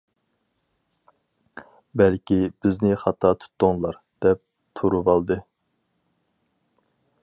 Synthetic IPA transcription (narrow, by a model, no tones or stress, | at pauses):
bɛlkʲib̥ɪznɪχɑt̪ʰɑːt̪ʰu̥t̪ːʊŋlˠɑɾ | d̪̥ɛp̚ | t̪ʰuɾuvɑlˠd̪ɨ